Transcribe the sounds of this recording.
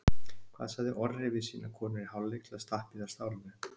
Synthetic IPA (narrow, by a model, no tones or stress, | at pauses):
kʰv̥a̰ːðsaðɪʔɔɾɾɪvɪðsiːnʔakʰɔːnɪɾiɦawlːeklaðst̪ahpiðaɾ̥st̪aːwlɪnʏ